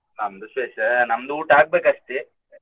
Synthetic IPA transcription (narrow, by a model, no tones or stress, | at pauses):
nɐmd̪usʋeːʃɐnɐmɐd̪uːʈaːɡ̚beːkɐʂt̪i